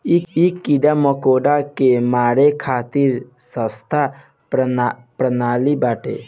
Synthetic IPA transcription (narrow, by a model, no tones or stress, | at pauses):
ikikːiɖaməkoːɖakemaːɽekʰaːt̪iɾsə̃st̪ʰa | pɾənaːlibaːʈḛ